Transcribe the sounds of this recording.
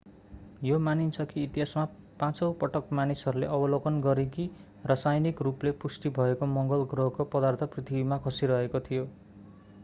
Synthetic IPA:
jomanint͡sʰʌkiːt̪iɦasma | pãt͡sʌwpʌʈʌkmanisʌɾulḛʔʌbʌlokʌnɡʌɾeki | rʌsajnikruplepusʈibʱʌekomʌŋɡʌlɡrʌɦkopʌd̪art̪ʰʌprit̪ʰibimakʰʌsiɾʌɦekot̪ʰijo

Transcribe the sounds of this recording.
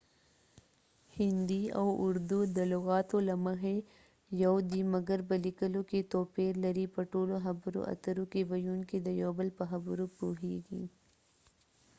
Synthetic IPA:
hɪnd̪iɐ̰ːʔʊɾd̪ud̪ɐloɣaːt̪olɐmɐɦe | jɐwd̪iːmɐɡəɾbɐlikəlõket̪oːpeːɾlɐɾipɐʈoːloɦɐbɾo̰ʔɐ̰t̪ɐɾokeʋɐjuːnked̪ɐjoːbəlpɐɦɐbɾopuːɦiːɡḭː

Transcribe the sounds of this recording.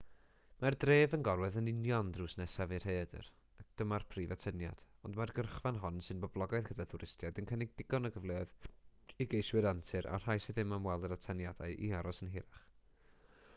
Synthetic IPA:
mardreːvənɡɔrwɛðənɪnjɔndruːsnɛsavir̥heːdə̰r | ak̚d̥əmarpʰriːvatʰənja̰d̥ɔndmarɡərχvanɦɔnsɨnbɔblˠɔɡaɨðɡədaθʊɾɪstjadənkʰənɪɡ̚dɪɡɔnəɡəvlˠeːɔðiɡejswɨɾantʰɨɾa̰r̥ajsiðɪmamwɛlˠdəɾatʰanjad̥aɨʔḭaɾɔsənɦɪɾaχ

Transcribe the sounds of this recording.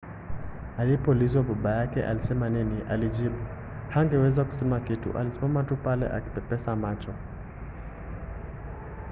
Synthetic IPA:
alipɔulizwaɓaɓajakɛ̰ʔa̰lisɛmaniniʔalid͡ʒiɓu | haŋɡɛwɛzaku̥sɛmakitṵʔa̰lisimamatupalɛ̰ʔa̰ki̥pɛpɛsamat͡ʃɔ

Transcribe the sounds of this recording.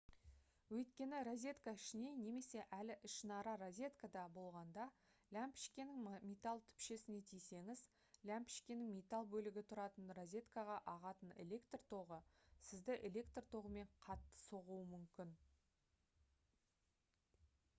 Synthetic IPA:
wɵjt̪̚kʲe̞nɪɾozʲe̞t̪kaɪʃɪne̞ne̞me̞se̞ʔælɪʔɪʃnɑɾɑɾozʲe̞t̪kad̪ɑbo̞lˠʁɑnd̪ɑlʲæmpɪ̥ʃkʲenɪŋmʲet̪alˠt̪ʰʏ̥pʃe̞sɪne̞t̪ʰijse̞ŋɪz | lʲæmpʲɪ̥ʃkʲenɪŋmʲet̪alˠbɵlɪɡʲɪt̪ʰʊɾɑt̪ənrozʲe̞t̪kaʁɑʔɑʁɑt̪əne̞̰lʲe̞kt̪rt̪ʰo̞ʁəsɪzd̪ɪʔe̞lʲe̞kt̪rt̪ʰo̞ʁəme̞ɴqʰɑt̪ːə̥so̞ʁuwəmʏmkʲɪn

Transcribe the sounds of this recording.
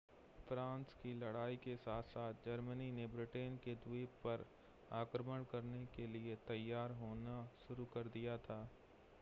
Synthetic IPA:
fɾãːnskilɐɽaːikesaːt̪ʰsaːt̪̚ʰd͡ʒɐɾməninebɾɪʈeːnked̪wiːppɐɾ | aːkɾəməɽ̃kɐɾnekeliet̪ɐjːaːɾɦoːnaʃʊɾukɐɾd̪ijat̪ʰaː

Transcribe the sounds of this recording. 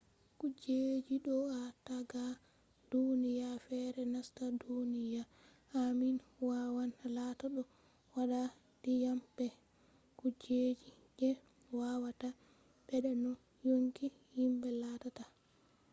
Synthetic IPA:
kud͡ʒed͡ʒiɗɔataɡa | d̥unijafɛɾɛnastadunijaː | minwawanlataɗɔ | waɗa | dijambɛ | kud͡ʒed͡ʒi | d͡ʒɛ | wawata | ɓɛɗɛnɔ | joŋki | himbɛlatata

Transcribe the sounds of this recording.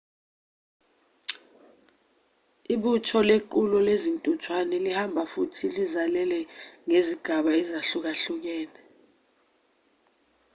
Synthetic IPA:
iɓutʰɔlek̬ulɔlezintʼutʰwanɛlihambʱafutʰilizalɛlɛŋeziɡ̥ʱaɓaɛzaɬuk̬aɬuk̬ɛːlɛ

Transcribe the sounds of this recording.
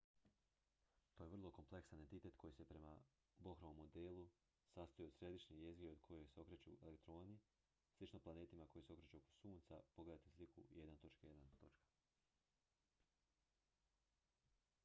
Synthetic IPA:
t̪oːjeʋr̩lˠo̞ko̞mple̞ksane̞nt̪it̪e̞t̪ko̞jise̞pɾe̞ma | bo̞xɾoʋomːo̞d̪elˠu | sast̪ojeod̪sɾe̞d̪iʃɲije̞ziɡiod̪̚kʰo̞jo̞jseo̞kɾet͡ɕṵelekt̪ɾo̞ːni | slˠit͡ʃnoplˠaneːt̪imako̞jiseo̞kɾet͡ʃuo̞ko̥suːnt̪sapo̞ɡle̞d̪at̪islikʰṵje̞d̪nat̪o̞t͡ʃkajed̪ant̪o̞t͡ʃkḁ

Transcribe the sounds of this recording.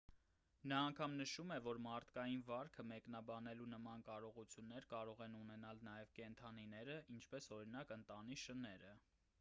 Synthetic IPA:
nɑːŋkʰɑmnəʃumɛvɔɾmɑɾt̪ʰkɑjinvɑɾkʰəmɛknɑbɑnɛlunəmɑnkɑɾɔʁut͡sʰjunːɛɾkɑɾɔʁɛnunɛnɑlnɑjɛvkɛnt̪ʰɑninɛɾəint͡ʃʰpɛsɔɾinɑkənt̪ɑniʃənɛɾə

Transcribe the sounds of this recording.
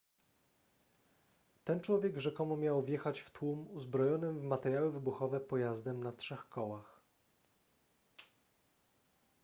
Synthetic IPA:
t̪ɛnt͡ʂwɔvʲjɛɡɡʐɛkɔmumʲjawvʲjɛxat͡ɕft̪wumuzbɾɔjɔnɘmvmat̪ɛɾʲjawɘvɘbuxɔvɛpɔjazd̪ɛmnatʂɛxkɔwax

